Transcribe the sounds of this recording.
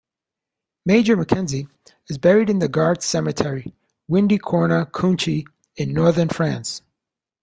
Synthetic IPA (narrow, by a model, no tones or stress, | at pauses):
meɪd͡ʒə˞mɨkʰɛ̃nzi | ɨzbɛɹiɾɨ̃nðɨɡɑɹdsɛmɨtʰɛɹi | wɪ̃ndikʰɔɹnəkʰũnt͡ʃi | ɨ̃nːɔɹðə˞nfɹæ̃ns